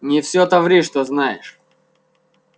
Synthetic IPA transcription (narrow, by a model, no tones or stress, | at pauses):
nʲɪfsʲot̪ɐvɾʲiʂt̪oznajɪ̰ʂ